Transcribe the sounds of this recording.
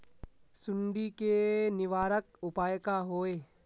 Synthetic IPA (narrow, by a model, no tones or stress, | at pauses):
sʊɳɖikenɪʋaːɾəkʊpaːjkaɦoːeː